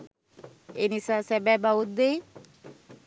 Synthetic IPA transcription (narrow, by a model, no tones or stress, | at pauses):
enisasɛbɛbaut̪̚d̪ej